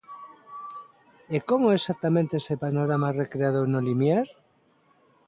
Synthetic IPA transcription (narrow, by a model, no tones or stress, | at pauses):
ekomoesak̚t̪amẽnt̪eesepanoɾamarekɾeaðonolimjaɾ